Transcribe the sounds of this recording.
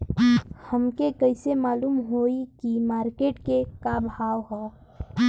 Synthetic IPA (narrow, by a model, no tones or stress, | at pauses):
həmkekəɪsemaːluːmɦoːikimaːɾkeːʈkekabʱaːwɦɛ